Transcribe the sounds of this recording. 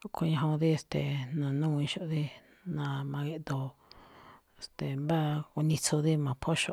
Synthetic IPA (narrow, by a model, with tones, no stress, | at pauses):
kʰo˧ɲã˧ɦõ˧ði˦e˧st̪e˨nã˨nũ˦˧ĩ˧ʃo˧ʔði˦ | nã˧mã˧ɣe˧ʔd̪o˧ | e˧˨st̪e˨mba˦ku˧nĩ˧t͡sʰo˧ði˦mã˧˨pʰo˦ʃo˧